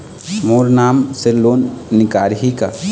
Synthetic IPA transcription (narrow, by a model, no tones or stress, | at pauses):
moːɾnaːmselːoːnːɪkaːɾɦika̰